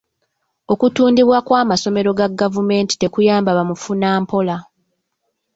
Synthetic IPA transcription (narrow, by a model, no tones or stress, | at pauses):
o̞kutuːndiβwakwaːmaso̞me̞ɾo̞ɡaɡːavume̞ːnti̥te̞kujaːmbaβamufunaːmpo̞la